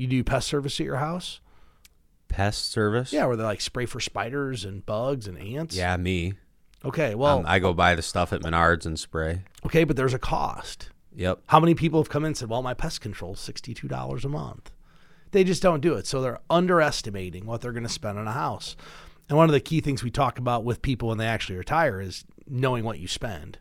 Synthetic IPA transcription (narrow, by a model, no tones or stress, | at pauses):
jɨdɨpʰɛstɜ˞vɨsɨjə̰˞ɦaʊs | pʰɛssɜ˞vɨsjæwə˞ðeɪlaɪkspɹeɪfə˞spaɪɾə˞zɨ̃nbʌɡzɨ̃næ̃ntsjæmi | oʊkʰeɪwɛlˠa̰ɪɡoʊbaɪðɨstʌfɨt̚mɨ̰nɑɹdzɨ̃n̩spɹeɪoʊkʰeɪbʌt̪̚ðə˞zɨkʰɔ̰st | jɛ̰p̚haʊmɛnipʰipl̩ˠəv̥kʰʌ̃mɨ̃nsɛd̚wɛlˠmaɪpʰɛskʰn̩tʰɹ̥oʊlˠz̥sɪkstitʰʉdɔ̰lˠə̰˞zəmʌ̰̃nθ | ðeɪd͡ʒʌsd̥õʊ̃ndɨɪtsoʊðə˞ʔʌ̃ndə˞ɛstɨmeɪɾɪ̃ŋwʌt̪̚ðə˞ɡʌnɨspɛ̃ndɨ̃nəhaʊsɨ̃nwʌ̃nʌvðɨkʰiθɪ̃ŋzwitʰɔk̚əbaʊt̚wɨð̥pʰipl̩ˠwə̃nðeɪæk̚t͡ʃʉl̩ˠiɹɨtʰaɪə˞ɪz̥ | noʊɪ̃ŋwʌt͡ʃɨspɛ̰̃nd̥